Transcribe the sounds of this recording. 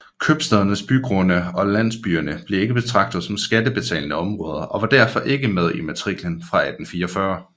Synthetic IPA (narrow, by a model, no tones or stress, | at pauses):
kʰøb̥sd̥ɛð̞ˠɐnəsb̥yɡ̥ʁonəɒ̽læn̰sb̥yːɐnəb̥le̝e̝ɡ̥əb̥e̝t͡sʰʁɑ̈ɡ̥̚d̥ð̩ˠsɒ̽msɡ̥ædəb̥e̝t͡sʰɛ̰ːlnəɒ̽mʁɔ̽ːð̞ˠɐʔɒ̽ʋɑ̈d̥æɐ̰fɒ̽ʔe̝ɡ̥əmeð̞ˠimæt͡sʰʁiɡ̥lənfʁɑ̈æd̥n̩fiːɐɒfɶɐ